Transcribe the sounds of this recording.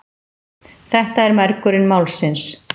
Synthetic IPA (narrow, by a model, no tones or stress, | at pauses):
θɛht̪aɛɾmɛɾkʏɾɪnmaːwlsɪns